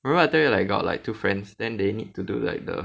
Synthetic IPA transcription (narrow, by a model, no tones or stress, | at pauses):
imɛ̃mbəatəjelaɪk̚ɡɔ̰t̚la̰ɪk̚tufɹɛ̃nsdɛ̃ndenid̚tudṵla̰ɪk̚də̰